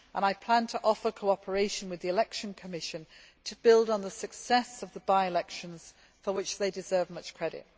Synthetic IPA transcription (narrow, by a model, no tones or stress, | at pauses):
ʔə̃ñaɪpʰl̥ãntʰəʔɒfə˞kʰoʊɒpʰəɹeɪʃə̃nwɨðiɪlɛkʃə̃nkʰəmɪʃə̃n | tʰəbɪlˠdn̩ðəsəksɛsəvðəbaɪɪlɛkʃə̃nz̥ | fəwɪt͡ʃðeɪdɪzɜːvmʌt͡ʃkʰɹ̥ɛɾɪ̰t̚